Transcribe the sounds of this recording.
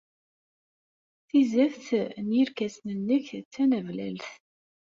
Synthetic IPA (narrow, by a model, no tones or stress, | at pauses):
θizæfθnjiɾkæsnənːəçt͡sːænævlæ̰lθ